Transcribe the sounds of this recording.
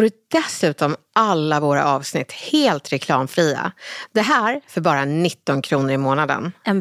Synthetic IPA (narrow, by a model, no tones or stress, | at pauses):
ɔɖɵd̪ɛsʉ̟ːt̪ɔmʔalːavoːɾa̰ʔɑːvsnɪt̪ːheːlt̪ɾɛkʰlɑːmfɾiːa̰d̪ɛɦæːɾfœɾbɑːɾanɪt̪ːɔnkʰɾuːnəɾɪmoːnad̪ə̰n